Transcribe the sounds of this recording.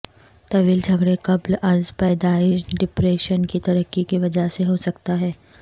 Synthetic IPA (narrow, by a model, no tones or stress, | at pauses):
t̪ɐʋiːld͡ʒʱɐɡɽekɐblɐzpɛːd̪aːɪʃɖɪpɾeːʃənkit̪ɐɾəkːikiʋɐd͡ʒaseɦosɐkt̪aɦɛː